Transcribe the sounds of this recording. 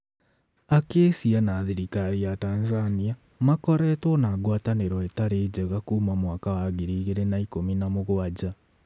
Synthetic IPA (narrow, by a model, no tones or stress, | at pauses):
akeːsianaðiɾikaɾijataːnzania | makɔɾɛtwɔnaːɡwataneɾɔetaɾeːd͡ʑɛɣakuːmamwakawaɣiɾiːɣeɾenaikominamoɣwad͡ʑa